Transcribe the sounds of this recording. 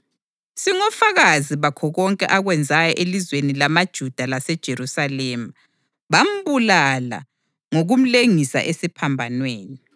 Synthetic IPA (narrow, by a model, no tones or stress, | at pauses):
siŋɔfaɣaziβakʰɔɣɔŋkʼɛ̰ʔaɣwɛnd͡zʱajɔʔelizwenilamad̥ʒ̥ʱud̥ʱalasɛd̥ʒ̥ʱeɾusalɛːma | βam̩βulala̰ | ŋoɣum̩leŋisa̰ʔesipʰambʱanweːni